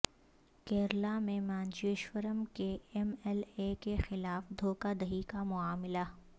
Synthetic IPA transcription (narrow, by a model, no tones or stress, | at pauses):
keːɾlamẽmãːnd͡ʒiɪʃwəɾəmkeɛmɛlekexɪlaːfd̪ʱoːkad̪ɐɦikamʊaːmɪla